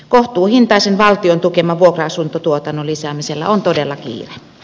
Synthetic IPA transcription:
koht̪uːhint̪ɑˑisenʋɑlt̪iont̪ukemɑʋuokroɑsunt̪ot̪uot̪ɑnːolisæːmiselːæ̰ont̪odelːɑkḭːre

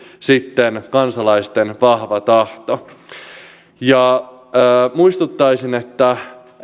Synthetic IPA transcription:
sit̪ːenkɑnsɑlɑjst̪enʋɑhʋɑt̪ɑht̪o | jɑəːmuist̪ut̪ːɑjsine̞t̪ːæ

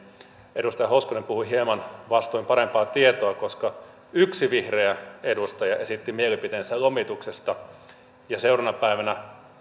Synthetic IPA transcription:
edust̪ɑjɑhoskonempuhuihiemɑnʋɑst̪oimpɑɾempɑːt̪iet̪oɑkoskɑ | yksiʋihreæedust̪ɑjɑesit̪ːimielipit̪eːnsælomit̪uksest̪ɑ | jɑseurɑnɑpæˑiʋænæ

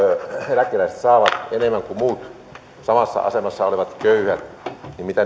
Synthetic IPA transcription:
lækːˑelæˑise̥t̪sɑːʋɑt̪enemːˑæŋkumuːt̪ | sɑmɑsːɑ̰ɑ̰semɑsːɑoliʋɑt̪køyhæt̪ | nimmit̪æ

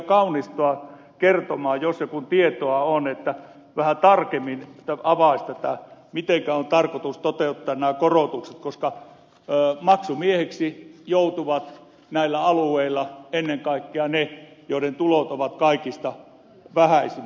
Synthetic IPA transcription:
kɑunist̪oɑ | kert̪omɑːjosjɑkunt̪iet̪oɑonet̪ːæ | ʋæhæt̪ɑrkemːinet̪ːæɑʋɑˑist̪æt̪æ̰mit̪eŋkæont̪ɑrkot̪ust̪ot̪eut̪ːɑːnnæːkorot̪ukset̪koskɑ | mɑksumieheksijout̪uʋɑt̪ | næilːæɑlueilːˑɑenːeŋkɑˑikːeɑnejoˑiɾent̪ulot̪oʋɑt̪kɑikist̪ɑ | ʋæhæisi

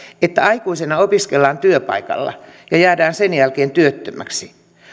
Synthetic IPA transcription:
et̪ːæɑikuisenɑopiskelːɑːnt̪yøpɑ̰ikɑ̰lːɑ̰jɑjæːdæːnsenjælkeːnt̪yøt̪ːømæksi

